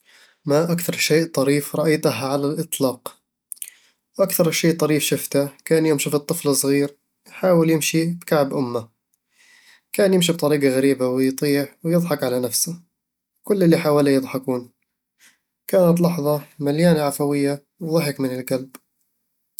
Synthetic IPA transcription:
maʔakθɑɾˤʃeːʔt̪ˤɑɾiːfɾˤɑʔajt̪aɦʕalalʔɨt̪ˤlɑːq | wʔakθɑɾˤʃeːʔt̪ˤɑɾiːfʃɪft̪akaːnjɪmʃifit̪ˤːɨflɨsˤɣiːɾ | jħaːwɪljɪmʃibkaʕbʔʊmːa | kaːnjɪmʃibt̪ˤɑɾiːɡɑɣaɾiːbawɪjt̪ˤiːʕwjɨd̪ˤħɑkʕalanafsa | kʊlːɪlːiħaːwalajɨd̪ˤħɑkuːn | kaːnat̪̬lɑħðˤɑmaljaːnaʕafawɪjːa | wðˤɑħɪkmɪnɪlɡalb

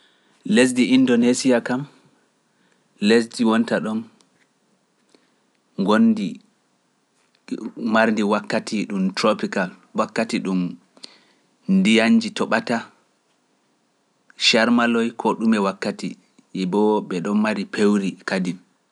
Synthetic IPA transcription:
les̬diʔindonesijakam | les̬diwɔntaɗɔn | ŋɡonːdi | maɾndiwakːatiɗumtɾopikal | wakːatiɗum | ndijaɲd͡ʒitɔɓata | ʃaɾmalɔjkʰɔɗumɛwakːati | jɛbɔɓɛɗɔnmaɾipʰewɾikadim

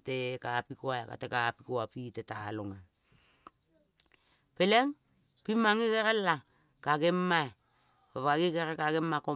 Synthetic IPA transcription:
tekapikoaka̰tekapikoapitetaloŋa | peleŋ | pimaŋikeɾelːa | kaɡemːa | papaɡikeɾekaɡemːako

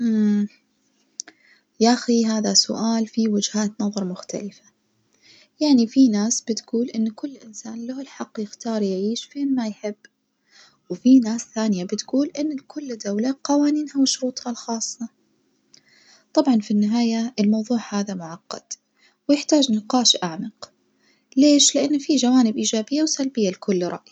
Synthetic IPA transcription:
ʔ | jaʔaxiɦaːðasʊ̰ʔaːlfiwɪd͡ʒhaːt̪nɑðˤɑɾˤmʊxt̪a̰lɪfḁ | jaʕnifinaːsb̥ɪt̪ɡuːlʔɪnːkʊlːʔɪnsaːnlaɪlħɑqːjɪxt̪ɑːɾˤjʕiːʃfeːnmajħɪbː | wfinaːsθaːnɪjabɪt̪ɡuːlʔɪnːlkʰʊlːd̪awlaqɑwaːniːnhawɪʃʊɾuːt̪ˤhalxɑːsˤːɑ | t̪ˤɑbʕɑnfinːɪɦaːjaɪlmɑwðˤuːʕhaːðamʊʕɑqːɑ̰d̪̥ | wjɪħt̪aːd͡ʒnɪqɑːʃʔaʕmɪq | leːʃlɪʔanːfiʒawaːnɪbʔiːd͡ʒaːbɪjːawsalbɪjːalkʰʊlːɾˤɑ̰ʔj

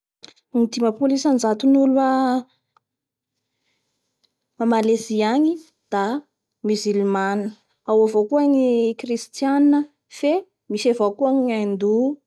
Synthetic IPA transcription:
nit̪imapulisanzat̪unulwə | mamalesiaɲi | d̪̥a | myzilmanə | awavokuəŋikrist̪janə | fe | misevokuaŋand̪u

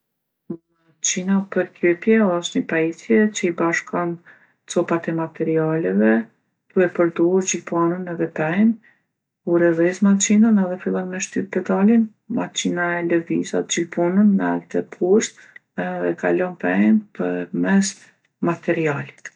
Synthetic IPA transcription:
ma | t͡ɕinapəɾt̪ɾɛpjɛɔʃt̪ɲəpait͡sjɛt͡ɕəibaʃkɔn | t͡sɔpat̪ɛmat̪ɛɾialɛvɛ | d̪̥uɛpəɾd̪ɔhuɾd͡ʑilpɔnənɛðɛpɛn | kuɾɛðɛsmat͡ʃinanɛðɛfilˠɔnmɛʃt̪ypɛd̪alin | mat͡ɕinaɛləviza̰t̪̚d͡ʑilpunənːalt̪ɛpʰuʃt̪ | ɛðɛka̰lɔnpɛjnpəmɛs | mat̪ɛɾiali̥t̪

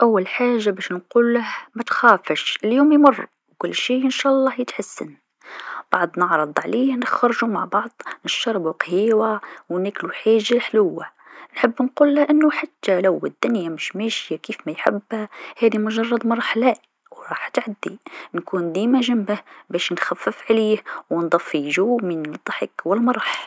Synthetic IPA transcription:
ʔawːalħaːʒːabæːʃnquːlːahmæt̪xaːfɪʃɪljuːmjmʊrˤː | kʊlːʃiːʔɪnʃaːʔɑlˤːɑːhjɪt̪ħasːɪ̰n | b̥ɑʕd̪ˤnɑʕɾˤɨd̪ˤʕalɪjanɪxɑɾˤʒumaʕbɑʕd̪ˤnɪʃtɑɾˤbuqhiːwawnæːkluħaːʒːalħlʊwːa | nħɪbːnquːlːaʔɪnːʊħat̪ːalawɪd̪ːʊnjamɪʃmæːʃjakiːfmæjħɪ̰bːhæhæːd̪imʊʒɑrˤːɑd̪mɑɾˤɑħlaːʔ | wɾˤɑːħt̪ʕad̪ːinkuːnd̪iːmæʒambahbæːʃnxafːɪfʕaliːhwnd̪ˤɑfːiʒuːmind̪ˤːɑħɪkwɪlmɑɾˤɑħ

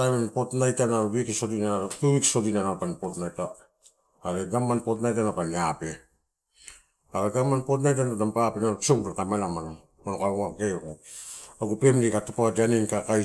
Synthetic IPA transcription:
amanpotnajtanaɾuβikisodinatuβiksodinanapanpotnajtaː | ɾeɡamanpo̞tnajtanapaniape | aɾeɡamanpot̬najtanadampapenaɾut͡ʃowɾakamelamana | onokaŋakekuaɡupemdikatupadaninkakaj

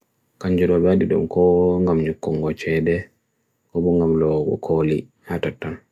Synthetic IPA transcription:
kaɲd͡ʒuɾɔbadidɔ̰mkɔŋɡamɲɔkːɔŋɡɔt͡ʃɛdɛ | kɔbɔŋɡamlɔɡɔ̰kʰoːli | hatatːan

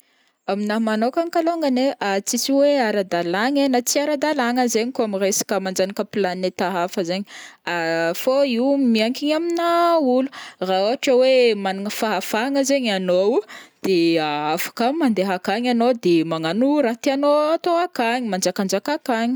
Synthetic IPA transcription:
aminamanokaŋkaloŋɡəneʔat͡sisiweaɾad̪alaɲenat͡siaɾad̪alaŋəzeɲikoamiresḁkəmand͡ʒanakəpilanet̪aɦafəzeɲiafoiwmiaŋkiɲaminauluraoaʈ͡ʂəwemanaŋəfaɦafaŋəzeɲanod̪̥eaafḁkəmand̪eɦakaɲanod̪emaŋanuɾat̪ianoat̪oakaɲimand͡ʒakand͡ʒakakaɲi̥

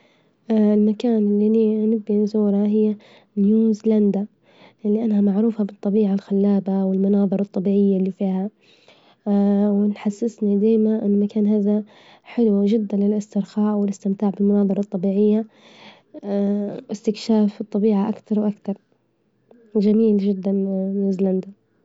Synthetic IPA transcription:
ʔɪlmakaːnɪlːininɪbːinzuːɾˤɑɦɪjːa | njuːzland̪a | ʔɪlːiʔanːhamaʕɾuːfabɨt̪ˤːɑbiːʕalxalːaːbawɪlmʊnɑːðˤɨɾˤɑt̪ˤːɑbiːʕɪjːalːifiːha | wɪnħasːɪsnid̪aːjmaʔɪ̰nːmakaːnɦaːða | ħɪlwʒɪd̪ːanlɪlʔɪst̪ɪɾxaːʔwɪlɪst̪ɪmt̪aːʕbɪlmʊnɑːðˤɑɾˤɑt̪ˤːɑbiːʕɪjːa | ʔɪst̪ɪkʃaːfɨt̪ˤːɑbiːʕaʔakt̪ɑɾˤwʔakt̪ɑɾˤ | d͡ʒamiːlʒɪd̪ːanːjuːzland̪a

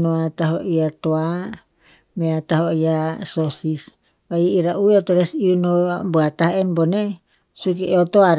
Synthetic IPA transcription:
noat̪aɦoʔiat̪oa | meat̪aɦoijasosis | paiiɾaʔueot̪oɾɛsiunobuat̪aɦɛnbone | sukieot̪oaɾ

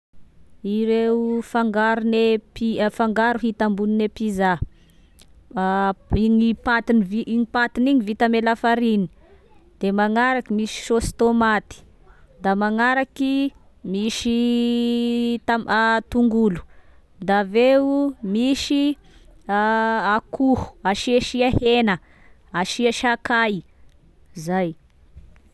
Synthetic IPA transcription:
iɾeufaŋɡaɾunepifaŋɡaɾuɦit̪ambuninepiza | iɲipat̪iniviiɲipat̪iniɲivit̪amelafaɾini̥ | d̪̥emaŋaɾakimisi̥ʃosi̥t̪omat̪i̥ | d̪amaŋaɾaki | miʃi | t̪at̪uŋɡulu̥ | d̪aveumisi | akuhu̥aʃiaʃiahenə | aʃiaʃakaj | zaj

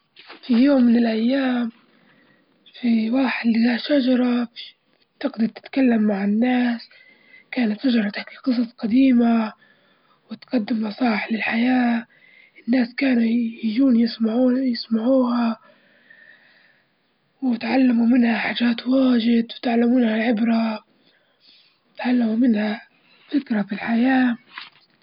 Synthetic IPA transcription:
fijoːmːɪnɪlʔajːaːm | fiwaːħɪd̪ɪhaʃad͡ʒɑɾˤɑf | t̪ɪɡd̪ɑɾˤt̪ɪ̥t̪kalːamːaʕɪnːaːs | kaːnat̪ʃad͡ʒɑɾˤɑt̪ɪħkiqɨs̬ˤɑsˤqɑd̪iːma | wɪt̪qɑd̪ːɪmːɑsˤɑːɪħlɪlħajaː | ʔɪnːaːskaːnujɪd͡ʒuːnjɪsmaʕjɪsmaʕuːha | wɪt̪ʕalːamumɪnhaħaːd͡ʒaːt̪waːʒɪd̪wɪt̪ʕalːamuːnhalʕɪbɾa | ɪt̪ʕalːamumɪnha | fɪkɾafilħajaː

